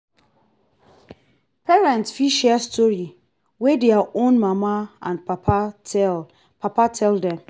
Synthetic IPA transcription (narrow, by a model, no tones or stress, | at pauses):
pʰɛɹɛ̃ntsfiʃɛstʰɔɹi | wedɛaʔõnmamaã̰npʰapʰaɛl | pʰapatʰɛldɛ̃m